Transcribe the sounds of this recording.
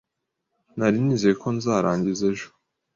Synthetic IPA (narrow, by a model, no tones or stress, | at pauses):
naɾiniːze̞jekʰo̞nzaːɾaːɲɟizeʒo̥